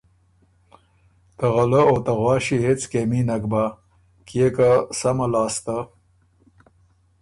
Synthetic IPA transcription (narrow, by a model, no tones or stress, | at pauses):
t̪ɐɣɐləot̪aɣwɑːɕiɦet͡skeminɐkba | kijekasɐmɐlɑːst̪a